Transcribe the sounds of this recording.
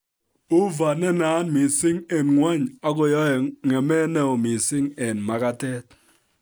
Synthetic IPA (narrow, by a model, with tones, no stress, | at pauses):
u˦va˨nɛ˦naː˨˦nmi˨sɪ˦ŋe˨nŋwa˦ɲa˦kɔ˨jɔ˦ɛ˨ŋɛ˨mɛ˦nɛ˨o˨mi˨sɪ˦ŋe˨nma˨ka˦tɛ˦t̚